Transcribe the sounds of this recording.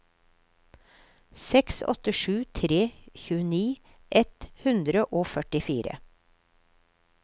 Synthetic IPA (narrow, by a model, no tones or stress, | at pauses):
sɛksɔ̰t̪əʃʉːt̪ʰɾeːçʉːəniː | ʔɛt̪hʉnd̪ɾəʔoːfœʈɪfiːɾə̰